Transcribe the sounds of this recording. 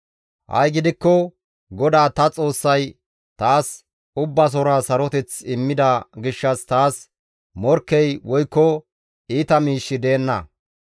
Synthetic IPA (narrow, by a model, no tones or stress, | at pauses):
hɐ̰jɡɪd̪ɪkːɔ | ɡɔd̪aːt̪ɐt͡sʼo̞ːsːɐj | t̪aːs | ʊbːɐs̬ɔɾasɐɾɔt̪ɛt͡sɪmːɪd̪ɐɡɪʃːɐst̪aːs | mɔɾkːɛjwɔjkːɔ | iːt̪ɐmiːʃːɪd̪eːnːɐ̰